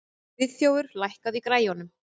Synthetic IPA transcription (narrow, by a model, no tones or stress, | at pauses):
vɪðθjowvʏɾ̥lajhkaðikɾaːjɔnʏm